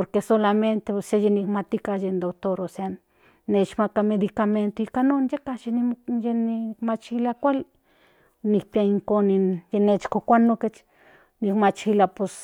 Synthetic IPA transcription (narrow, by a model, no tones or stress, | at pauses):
poɾkesolament̪eosajenikmat̪ikaʒend̪okt̪oɾosa | net͡ʃmakamed̪ikament̪oikanond͡ʒekaʃinijenimat͡ʃxilakʷal | nikpjaiŋkonijenet͡ʃkokʷanõket͡ʃ | nikmat͡ʃxilapos